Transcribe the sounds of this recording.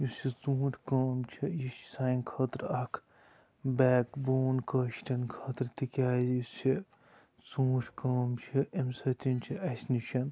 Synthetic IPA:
jusit͡sũːʈʰʲkɐːmt͡ʃʰijiʃsaːinkʰɐt̪ɾɐkʰ | bɛːkboːnkɐʃʈɐnkʰɐt̪ɾt̪ikʲaːzjisi | t͡sũːʈʲʰkɐːmt͡ʃʰiʔemsɐt̪ʲint͡ʃʰiʔɐsʲniʃɐn

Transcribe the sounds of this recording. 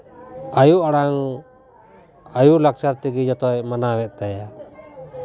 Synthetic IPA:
ajuʔaɽaŋ | ajulakt͡ʃaɾt̪iɡid͡ʒɔt̪ɔjmanawɛt̪̚ˀt̪aja

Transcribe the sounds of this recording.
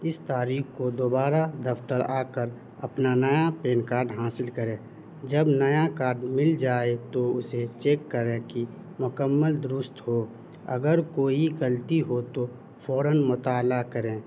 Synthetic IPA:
ɪst̪aːɾiːkkod̪oːbaːɾad̪əft̪əɾaːkəɾ | əpnanəjapeːnkaːɾɖɦaːsɪlkəɾẽː | d͡ʒəbnəjakaːɾɖmɪld͡ʒaːet̪oʊset͡ʃeːkːəɾẽki | mʊkəmːəld̪ɾʊst̪ɦo | ə̰ɡəɾkoːiɡəlt̪iɦot̪o | fʰɔːɾənmʊt̪aːlakəɾẽː

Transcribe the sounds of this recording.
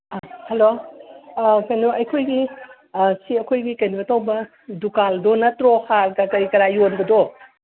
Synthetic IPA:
ahɐlo | kɐjnoɐjkʰojɡi | siɐkʰojɡikɐjnibɐtʰawbɐ | dukaldonɐtɾohaɾɡɐkɐɾikɐɾajonbɐdo

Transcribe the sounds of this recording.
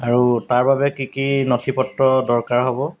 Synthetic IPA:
aɹutaɹbabɛkikinotʰipɔtɹɔdɔɹkaɹɦɔbɔ

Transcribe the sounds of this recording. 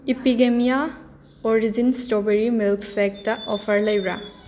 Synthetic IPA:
ipiɡemija | ɔɾizinsʈɔbeɾimilksek̚tɐʔɔpʰɐɾləjɾa̰

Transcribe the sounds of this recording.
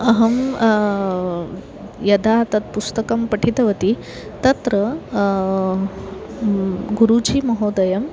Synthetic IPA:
ɐɦɐm | jɐd̪ʱat̪ɐt̪̚pust̪ɐkɐmpɐʈʰit̪ɐʋɐt̪i | t̪ɐt̪ɾɐ | ɡuɾud͡ʒʱimɐɦoːd̪ɐjɐm

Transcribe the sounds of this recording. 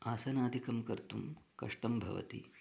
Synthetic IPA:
aːsɐnaːd̪ʱikɐmkɐɾt̪umkɐ̰ʂʈɐmbʱɐ̰ʋɐ̰t̪ḭ

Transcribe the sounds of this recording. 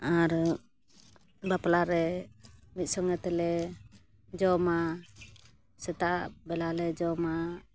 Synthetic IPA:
aɾə | bapəlaɾɛ | mit̪̚sɔŋət̪əlɛ | d͡ʒɔma | sɛt̪abɛlalɛd͡ʒɔma

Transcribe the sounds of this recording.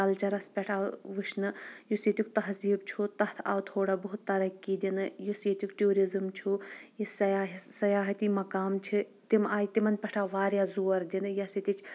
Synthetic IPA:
ɐlt͡ʃɐɾɐspʲɛʈʰaːʋɨʃnɨjuset̪ʲuk̚ʲt̪ɐɦziːbt͡ʃʰut̪ɐht̪ʰa̰ːʋt̪ʰoːɽaːbuɦut̪ːɐɾɐkːid̪inɨjuset̪ʲjukʈoːɾizɨmt͡ʃʰujisɐjaːɦsɐjaːɦɐt̪iːmɐkaːmt͡ʃʰi | t̪imaːjit̪imɐnpʲɛʈʰaːʋaːɾjaːzuːɐɾd̪inɨjɐsit̪it͡ʃʰ

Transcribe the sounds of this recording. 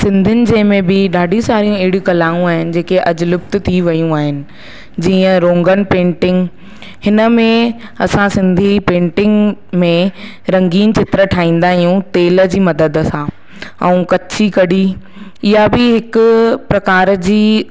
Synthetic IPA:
sɪ̃nd̪ʱɪnɪ̆d͡ʑẽːmẽbɪɗaːɖʱĩsaːɾijũɐɦɪɽijũkɐlaːũaːɦɪnɪ̆d͡ʑeːkeʔɐd͡ʑʊlʊbt̪̆t̪ʰiʋɐjũaːɦɪnɪ̆ | d͡ʑiːə̃ɾõːŋɡənɪ̆pẽːɳʈɪ̃ŋɡ | hɪnə̆mẽ | ɐsãsɪ̃nd̪ʱipẽːɳʈɪ̃ŋɡmẽ | ɾɐ̃ŋɡiːnt͡ɕɪt̪ɾəʈʰaːɦĩːn̆d̪aːɦijũt̪eːləd͡ʑiːmɐd̪əd̪sãː | ɛ̃ũkɐt͡ɕʰikɐɖi | ɪjabɪɦɪkʊpɾɐkaːɾd͡ʑiː

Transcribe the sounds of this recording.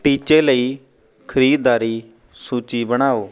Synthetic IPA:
ʈiːt͡ʃeːləiː | kʰəɾiːd̪d̪aːɾiː | suːt͡ʃiːbəɽ̃aːoː

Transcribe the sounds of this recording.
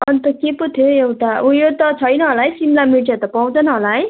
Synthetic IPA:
ʌnt̪ʌkeput̪ʰoewʈaujot̪ʌt͡sʰʌjnʌɦolaɦjsimlamiʈjat̪ʌpaw̃t͡s̪ʌnʌɦolaɦj

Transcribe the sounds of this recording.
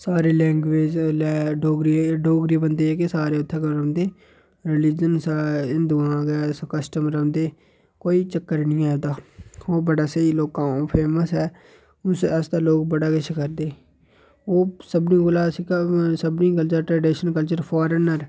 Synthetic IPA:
saːɾeːlɛ̃ːŋɡʋeːd͡ʒlɛːɖoːɡɾiɖoːɡɾibənd̪eːɛːkesaːɾeːʊt̪ʰːeːkɾənd̪eː | ɾɪlɪd͡ʒənsɪnd̪ʊãːɡɛːskəsʈəmɾənd̪eː | koːiːt͡ʃəkːəɾnĩːaːd̪aːoːbəɽaːsəiloːkãːpʰeːməsɦɛː | ʊsəsd̪aːloːk̚bəɽaːkɪt͡ʃʰkəɾd̪eː | oːsəbnĩːkolaːsiksəbnĩːk̬əlt͡ʃəɾʈɾeːɖɪʃənkəlt͡ʃəɾpʰaːɾənəɾ

